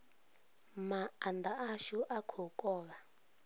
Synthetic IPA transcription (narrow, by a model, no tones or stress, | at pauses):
maːnd̪aaʃuʔakʰɔkʼɔːβa